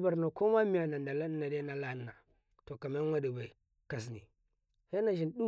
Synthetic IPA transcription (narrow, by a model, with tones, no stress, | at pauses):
ba˨ɾno˨ko˦ma˦mi˨ja˨na˨nda˨la˦na˨de˦na˨la˦nːa˨ | to˨ka˨ma˦ŋʷa˦di˨ba˨i˨ | ka˨s̬nḭ˨ | he˦na˨ʒi˨nɗu˦